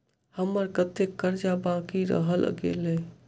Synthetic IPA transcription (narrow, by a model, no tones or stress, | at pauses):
həmːəɾkət̪ekːəɾd͡ʒabãkiɾə̰ɦəl̰ɡḛle